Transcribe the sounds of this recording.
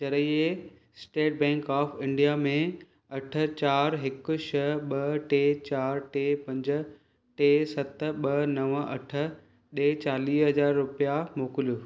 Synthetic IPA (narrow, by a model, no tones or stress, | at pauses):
d͡ʒɐɾəie | sʈeːʈ̚bɛ̃ːŋkɔːfɪ̃ɳɖijamẽ | ɐʈʰə̆t͡ɕaːɾɦɪkʊ̆ʃɐɦɓɐʈeːt͡ɕaːɾʈeːpɐ̃ɲd͡ʑ̆ | ʈeːsɐt̪ɓɐnɐʋɐ̰ʈʰə̆ | ɗeːt͡ɕaːliːɦɐd͡ʑaːɾːʊpijamoːkɪljuː